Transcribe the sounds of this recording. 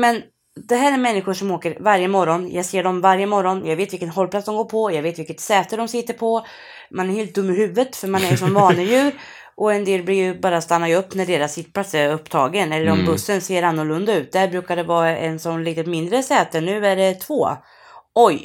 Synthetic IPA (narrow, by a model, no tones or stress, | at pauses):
mɛn | d̪ɛɦæːɾæɾmɛnːɪɧʊʂɔmoːkəɾvaɾjəmɔɾɔnjʔɑːɡseːɖɔmvaɾjəmɔɾɔnjɑːɡveːt̪vɪlkənɦɔlːpʰlatsd̪ɔmɡoːɾpʰɔjɑːɡveːt̪vɪlkːət̪sɛːt̪əɖɔmsɪt̪ːəɾpʰɔ | manæɾheːlt̪̚d̪ɵmːɪhʉ̟ːvət̪fœɾmanæɾʂɔmvɑːnəjʉ̟ːɾ | ʔɔɛnd̪eːlblɪɾjɵbɑːɾast̪anːaɵpːnæɖeːɾasɪt̪ːpʰlat̪sɛɵpːt̪ʰɑ̰ːɡənɛlːəɾɔmbɵsːənseːɾanːʊɭɵnd̪aʉ̟ːt̪̚d̪ɛæɾbɾʉ̟ːkad̪ɛvɑːɛ̰nsɔmliːt̪ət̪mɪnd̪ɾəsɛːt̪ənʉ̟ːæɖɛt̪ʰvoː | ɔj